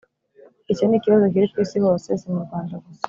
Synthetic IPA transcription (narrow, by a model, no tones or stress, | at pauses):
icenikiβazo̞k̬iɾikwiːsiho̞ːsesimuɾɡwaːndaɡuse̥